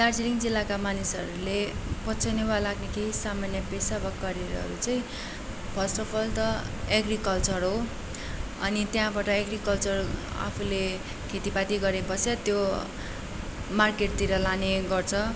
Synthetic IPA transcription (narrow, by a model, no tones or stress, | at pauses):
tard͡ziɾiŋd͡zilːakamanisʌɾulepʌt͡sʰʌnebalaɡnekʰeɦisamanjʌpesabʌkːʌɾjeɾʌɦʌ̰ɾut͡sʌĩ | bʱʌsʈʌpʰʌlt̪ʌeɡrikʌlt͡sʌrɦo | ʌ̰nit̪jãbaʈʌeɡrikʌlt͡sʌra̰pʰule | kʰet̪ipat̪iɡʌɾebʌsʌt̪jo | markeʈ̚t̪iɾʌlaneɡʌrt͡sʰʌ